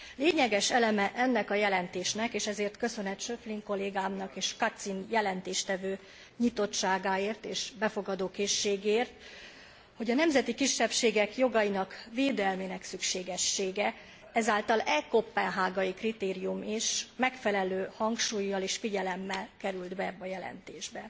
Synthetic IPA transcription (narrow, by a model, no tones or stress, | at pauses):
leːɲɛɡɛʃɛlɛmɛʔɛnːɛkɒjɛlɛnt̪eːʃnɛkeːʃɛzeːrt̪kø̞sø̞nɛt̪ʃøfliŋko̞lːeːɡaːmnɒkeːʃkɒt̪sinjɛlɛnt̪eːʃt̪ɛvøː | ɲit̪o̞tt͡ʃaːɡaːeːrt̪eːʃbɛfo̞ɡɒd̪oːkeːʃːeːɡːrt̪ | ho̞ɟɒnɛmzɛt̪ikiʃːɛpʃeːɡɛkjo̞ɡɒjinɒkveːd̪ɛlmenɛksykʃeːɡɛʃːeːɡɛ | ɛzaːlt̪ɒlɛkopːɛnɦaːɡɒjikrit̪eːɾijumiʃmɛkfɛlɛløːhɒŋkʃuːjːɒleːʃfiɟɛlɛmːɛlkɛɾyld̪bɛɛbːɒjɛlɛ̰nt̪eːʒbɛ